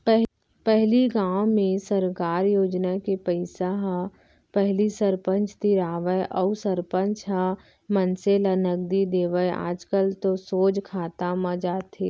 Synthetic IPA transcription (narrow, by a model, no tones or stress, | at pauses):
pɛɦ | pɛɦliɡãːwmẽsəɾkaːɾjoːd͡ʒnakepəɪsaɦa | pɛɦlisəɾpə̃nt͡ʃʰt̪iɾaːʋəjʔəusəɾpə̃nt͡ʃʰɦa | mənselanəɡ̚d̪id̪eːʋəja̰ːd͡ʒkəlt̪osoːd͡ʒkʰaːt̪amãd͡ʒaːt̪eː